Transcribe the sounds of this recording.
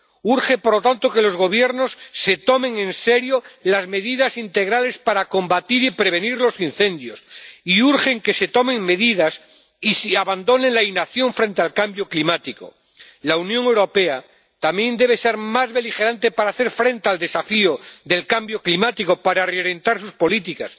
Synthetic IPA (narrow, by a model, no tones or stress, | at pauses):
uɾχepoɾlo̞t̪ant̪o̞ke̞lo̞zɣo̞β̞je̞ɾno̞sːe̞t̪o̞me̞ŋẽ̞nse̞ɾjolazme̞ðiðasint̪e̞ɣ̞ɾale̞spaɾako̞mbat̪iɾipɾe̞β̞e̞niɾlo̞sin̟θẽ̞nd̪josiuɾχe̞ŋke̞se̞t̪o̞me̞ŋme̞ðið̞as | isiaβand̪o̞nẽ̞nlainaθjo̞ɱfɾe̞nt̪ealkambjoklimat̪iko̰ | launjõ̞ŋewɾo̞pe̞a | t̪amjẽ̞nd̪e̞β̞e̞se̞ɾmazβe̞lixe̞ɾant̪e̞paɾaːθe̞ɾfɾe̞nt̪eald̪e̞safioðe̞lkambjo̞klimat̪iko̞paɾareoɾje̞nt̪aɾsuspo̞lit̪̬ikas